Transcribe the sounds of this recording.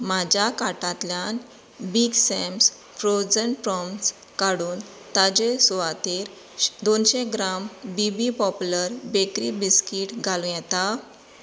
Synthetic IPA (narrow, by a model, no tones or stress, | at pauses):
mad͡ʑakaʈãt̪ljan | biɡsems | fɾod͡zəɳʈpɾɔms | kaɽuːn | t̪ad͡ʑesuʋat̪iɾ | d̪onɕeɡɾambibipɔpuləɾbekɾibiskiʈɡʱalũjɛt̪a